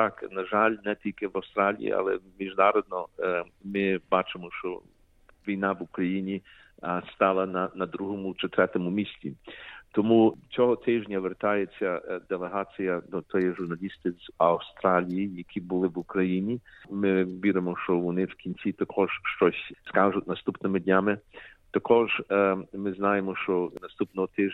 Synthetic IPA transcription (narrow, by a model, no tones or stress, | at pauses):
t̪ɑknɐʒɑlʲnɛt̪ʲilʲkɪʋɐwst̪ɾɑlʲḭjḭʔɑ̰lˠɛmʲiʒnɑɾɔd̪̚nɔmɪbɑt͡ʃɪmɔʃt͡ʃɔ̰ | ʋʲijnɑʋukɾɐjinʲi | st̪ɑlˠɐnɐnɐd̪ɾuɦɔmʊt͡ʃɪt̪ɾɛt̪ɔmʊmʲisʲt͡sʲḭt̪ɔmut͡sʲɔɦɔt̪ɪʒnʲɐʋert̪ɑjet͡sʲːɐd̪elˠeɦɑt͡sʲijɐd̪ɔt̪ʰɔjɛʒʊrnɐlʲist̪ɪzɐwst̪ɾɑlʲijijɐkʲʰibʊlˠɪʋukɾɐjinʲimɪʋʲiɾɪmɔʃt͡ʃɔʋɔnɪwkʲinʲt͡sʲit̪ɐkʰɔʒ̥ʃt͡ʃɔsʲskɑʒʊtʲnɐst̪upnɪmɪd̪ʲnʲamɪt̪ɐkʰɔʒmɪznɑjemɔʃt͡ʃɔnɐst̪upnɔɦɔt̪ɪʒ